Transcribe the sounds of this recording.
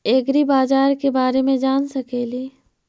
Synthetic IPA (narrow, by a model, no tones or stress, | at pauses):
eːɡɾibaːzaːɾkebaːɾemẽd͡ʒaːnsɐkeːliː